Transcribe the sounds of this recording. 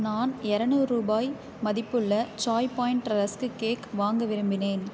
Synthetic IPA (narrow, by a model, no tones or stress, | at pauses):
naːnɛɾɐnuːɾuːbaːj | mɐðɪpːɯɭːɐt͡ʃaːjpaːjɪɳʈɐɾɐskɯkeːkʋaːŋɡɐʋɪɾɯmbɪneːn